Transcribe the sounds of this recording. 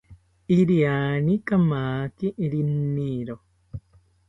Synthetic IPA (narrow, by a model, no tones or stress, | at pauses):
iɾiaːnikamaːkiʔiɾinːiːɾo